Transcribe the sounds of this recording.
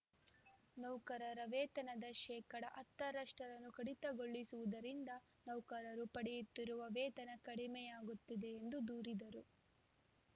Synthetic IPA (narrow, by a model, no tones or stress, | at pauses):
nɐwkɐɾɐɾɐʋɛːt̪ɐnɐd̪ɐʃɛːkɐɽɐʔɐt̪ːɐɾɐʂʈɐɾɐnːukɐɽit̪ɐɡo̞ɭːisuʋud̪ɐɾind̪ɐ | nɐwkɐɾɐɾupɐɽɛjut̪ːiɾuʋɐʋɛːt̪ɐnɐkɐɽimɛjaːɡut̪ːid̪e̞ːnd̪ud̪uːɾid̪ɐɾu